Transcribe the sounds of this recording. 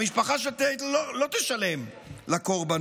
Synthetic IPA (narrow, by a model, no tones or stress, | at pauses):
miʃpaχaʃ̬et̪elolo̞t̪eʃale̞m | lakoʁban